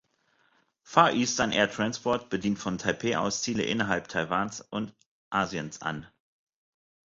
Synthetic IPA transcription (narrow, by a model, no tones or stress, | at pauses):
faːʔiːstɐnʔḛːɐtʁ̥anspʰɔɐt̚b̥ədiːntfɔntʰaɪpʰeːʔa̰ʊst͡siːləʔɪ̰nɐɦalptʰaɪvaːnsʔʊnt | ʔaːzjənsʔa̰n